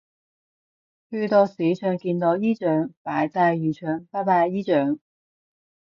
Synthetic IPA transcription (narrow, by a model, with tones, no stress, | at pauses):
hyː˧t̪ɔ˧siː˨˥t͡ʃʰœː˨˧˥ŋkiː˧nt̪o˨˥jiː˥t͡ʃœː˨˥ŋpaː˨˥jt͡saː˧jjyː˨˩t͡ʃʰœː˨˥ŋpaː˥paː˧iː˥t͡ʃœː˨˥ŋ